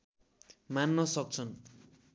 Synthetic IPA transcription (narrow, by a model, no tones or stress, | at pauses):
manːʌsʌk̚t͡sʰʌn